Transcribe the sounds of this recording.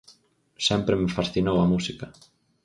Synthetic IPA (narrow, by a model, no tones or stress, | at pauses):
sɛmpɾɪmɪfasθinowɐmusikɐ